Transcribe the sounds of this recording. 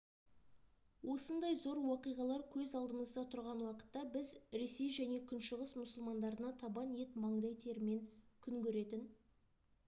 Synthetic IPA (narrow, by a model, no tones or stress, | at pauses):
wʔo̞sənd̪ɑjzo̞ɾwoqijʁɑlˠɑɾkʲʰɵzɑlˠd̪əməzd̪ɑt̪ʰʊɾʁɑnwɑqə̥t̪ːɑbɪzɾe̞se̞jʒæne̞kʲʰʏnʃəʁəsmʊsəlˠmɑnd̪ɑɾənɑt̪ʰɑbɑnje̞t̪mɑɴd̪ɑjt̪ʰe̞ɾɪme̞ŋkʲʰʏŋkʲʰɵɾe̞t̪ɪn